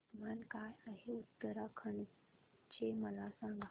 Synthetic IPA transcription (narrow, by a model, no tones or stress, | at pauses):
mankajəɦeut̪ːəɾakʰəɳ | t͡ɕʰeməlasãŋɡa